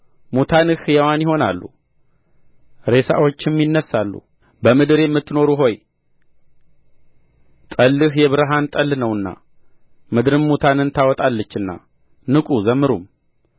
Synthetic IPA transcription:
mot̪ʰanɨhjɛwanjɪho̞na̰lːṵ | ɾe̞sa̰wo̞t͡ʃːɪmjɪnːəsalːṵ | bəmɨd̪ɨɾejemːɨt̪ːno̞ɾuɦo̞j | t̪ʼəlːɨhjɛβɨɾɨɦant̪ʼəlːɨnəwɨnːa̰ | mɨd̪ɨɾɨnmut̪ʰanɨnt̪ʰawɔt̪ʼalːət͡ʃːɨnːa̰ | nɨkʼuzəmːɨɾum

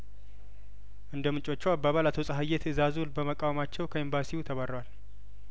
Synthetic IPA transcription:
ʔɨnd̪əmɨt͡ʃʼo̞t͡ʃːuabaβalat̪ʰo̞sʼəɦajet̪ʰɨzazulbəməkʼawmat͡ʃːɛwkʰəimbasiut̪ʰəβəɾwal

